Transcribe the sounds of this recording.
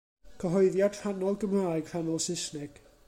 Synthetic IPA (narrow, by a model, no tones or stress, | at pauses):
kʰəɦɔɨðjad̥ranɔlˠɡəmraːɨɡ̥r̥anɔlˠsɪsnɛɡ̥